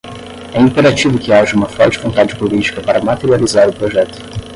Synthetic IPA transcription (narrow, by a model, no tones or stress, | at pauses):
ɛĩmpeɾat͡ʃivʊkɪaʒɐumɐfɾɔwt͡ʃɪkõnt̪ad͡ʒɪ̥pulit͡ʃi̥kɐpaɾɐmat̪eɾializaɾʊpɾoʒɛt̪ʊ̥